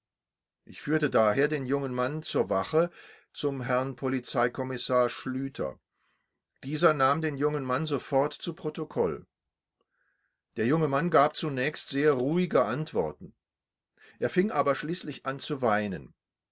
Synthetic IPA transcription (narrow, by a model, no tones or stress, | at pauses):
ʔɪçfyːɐtədaːɦeːɐdeːnjʊŋənmant͡suːɐvaχə | t͡sʊmɦɛɐnpʰolit͡saɪkʰɔmɪsaːɐʃlyːtʰɐ̰ | d̥iːzɐnaːmdeːnjʊŋənmanzofɔɐtt͡supʁ̥otokʰɔl | d̥eːɐjʊŋəmanɡaːp̚t͡sunɛːçstz̥eːɐʁuːɪɡəʔantv̥ɔ̰ɐtn̩ | ʔeːɐfɪŋʔaːbɐʃliːslɪçʔant͡suvaɪnən